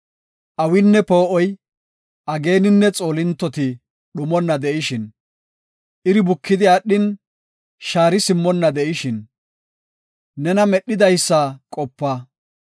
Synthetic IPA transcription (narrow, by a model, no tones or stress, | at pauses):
ʔɐwɪnːɛpo̞ːʔɔj | ʔɐɡe̞ːnɪnːɛt͡sʼo̞ːlɪnt̪ːɔt̪ɪ | ɗʊmɔnːɐd̪ɛʔɪʃɪn | ʔɪɾɪbʊkːɪd̪ɪɐɗːɪn | ʃaːɾɪsɪmːɔnːɐd̪ɛʔɪʃɪn | nɛnɐmɛɗːɪd̪ɐjsːakʼɔpːɐ